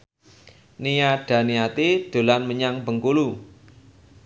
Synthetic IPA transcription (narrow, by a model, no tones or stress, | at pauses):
nijaɖ̥ä̤niat̪id̪̥o̤lanməɲaŋbəŋkulu